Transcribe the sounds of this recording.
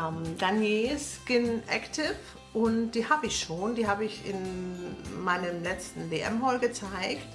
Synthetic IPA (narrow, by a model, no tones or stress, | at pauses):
md̥anjeːsɡ̥ɪnʔɛ̰ktʰɪf | ʔʊntd̥iːhaːbəɪçʃoːndiːɦaːbəɪçɪ̰n | maɪnəmlɛt͡stn̩veːʔɛ̰mɦɔlɡət͡saɪkt